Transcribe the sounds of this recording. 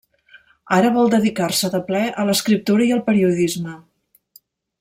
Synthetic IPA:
aɾəβ̞ɔlˠd̪əðikarsəðəplɛʔələskɾip̚t̪uɾəiəlˠpəɾiuðizmə

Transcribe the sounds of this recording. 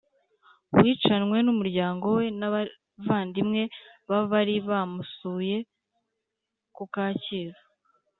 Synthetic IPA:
wwiːt͡ʃanwe̞numuɾɟaːŋɡo̞we̞na | vaːndimŋe̞βaβaɾiβamusuːje̞ | kukaːciɾḁ

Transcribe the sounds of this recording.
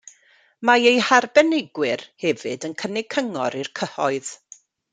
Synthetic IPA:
maejharbɛnɪɡwɪrhɛvɨdənkʰənɪɡ̚kʰəŋɔ̰ɾirkʰəhɔɨð̥

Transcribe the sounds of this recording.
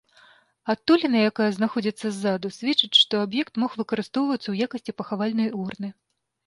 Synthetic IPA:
at̪ːulʲinɐjakajɐznaxɔd͡zʲit̪sːɐzːad̪usʲvʲɛt͡ʂɨt͡sʲʂt̪ɔabjɛkt̪mɔxvɨkɐɾɨst̪ɔwvɐt̪sːɐwjakɐsʲt͡sʲipɐxavalʲnɐjurnɨ

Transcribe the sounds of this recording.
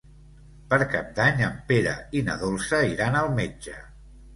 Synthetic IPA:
pəɾkap̚d̪aɲəmpeɾə̰inəðolˠsəiɾanəlˠmed͡ʒə

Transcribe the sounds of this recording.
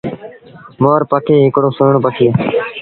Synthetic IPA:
moːɾpəkʰeːɦɪkɽõːsoːɳpəkʰeː

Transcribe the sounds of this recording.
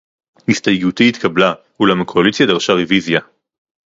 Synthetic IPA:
histajɡut̪iit̪kabla | hulamakʰoalisjad̪aʁʃaʁevizja

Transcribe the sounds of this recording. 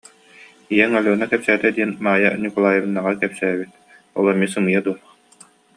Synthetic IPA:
ijɛŋalʲuːnakɛpsæːt̪ɛd̪iɛnmaːjanʲukulˠaːjɯbɯnːaʁakɛpsæːbit̪̚ | ɔ̰lˠɐmisɯŋɯjad̪uɔ

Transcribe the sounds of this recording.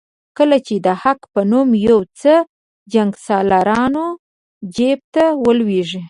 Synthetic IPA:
kəlat͡ʃed̪əhakpənumjawt͡sə | d͡ʒaŋɡsɑlaɾɑno | d͡ʒep̚t̪awəlweʐi

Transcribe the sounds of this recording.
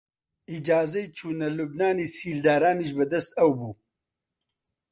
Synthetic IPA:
id͡ʒaːzɐjt͡ʃuːnɐlubnaːnisiːld̪aːɾaːniʃbɐd̪ɐst̪ɐwbuː

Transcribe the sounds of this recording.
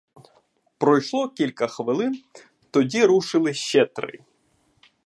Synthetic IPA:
pɾɔjʂlˠɔkʲilʲkɐxʋɪlˠɪn | t̪ɔdʲiɾuʂɪlˠɪʃɛt̪ɾɪ̰

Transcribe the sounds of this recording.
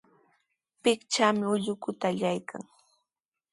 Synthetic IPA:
pɪkt͡ʃaːmɪʊʎʊkʊt̪aːʎajkʰa̰ŋ

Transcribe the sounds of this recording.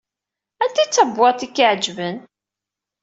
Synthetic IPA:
ænt̪it͡sːæbːɑt̪ikːəʕd͡ʒvən

